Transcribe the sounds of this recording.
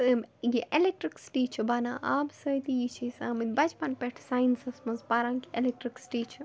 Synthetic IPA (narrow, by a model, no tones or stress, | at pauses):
mjiʔelek̚ʈɾiksʈiːt͡ʃʰɐbaːnaːʔaːbsɐt̪ijit͡ʃʰisaːmit̪bɐd͡ʒpɐnpeʈʰsaːjnsɐsmɐzbaːɾãːnkielek̚ʈɾiksʈiːt͡ʃʰ